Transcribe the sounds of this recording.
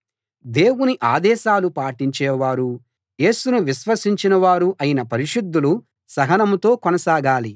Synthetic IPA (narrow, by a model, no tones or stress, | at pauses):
d̪e̞ːwuniʔaːd̪ɛːʃaːlupaːʈiɲt͡ʃɛːʋaːɾu | je̞ːsunuʋiʃʋɐsiɲt͡ʃinɐʋaːɾuʔɐjinɐpɐɾiʂud̪ːulu | sɐɦɐnɐmt̪o̞ːkɔnɐsaːɡaːli